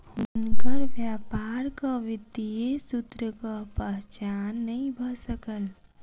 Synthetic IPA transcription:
ʊnkəɾʋjaːpaːɾkaʋɪd̪ijesʊt̪ɾəkapəɦt͡ʃaːnːəɦĩbʱəsəkəl

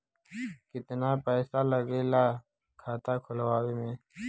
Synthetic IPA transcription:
kɪt̪napɛːsaləɡelaː | kʰaːt̪aːkʰʊlwaːwemẽː

